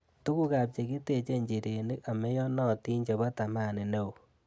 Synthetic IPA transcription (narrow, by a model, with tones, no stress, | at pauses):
tu˦ku˦ka˨p̚t͡ʃe˨ki˦te˨t͡ʃe˦ɲd͡ʒi˨ɾe˨ni˦ka˨mɛ˦jɔ˦nɔ˦˨ti˦ɲd͡ʒe˨ba˦ta˨ma˦˨ne˨ne˦˨u˨